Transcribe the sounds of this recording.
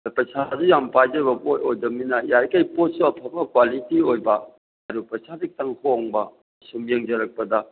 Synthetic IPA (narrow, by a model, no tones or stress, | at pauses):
pɐsʰazujampajd͡ʒɐɾbɐbojojdɐminɐjaɾkajpot̚suɐpʰɐbɐkwalitiojbɐ | ɐɾupɐsʰabik̚taŋkʰoŋbɐ | sumjeŋd͡ʒɐɾɐk̚pɐdɐ